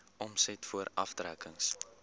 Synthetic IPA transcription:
ʔɔmsɛtfuəɾɐ̰fdrækəŋs

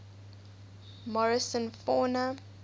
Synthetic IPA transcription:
mɔɹɪsə̃nfɔnə

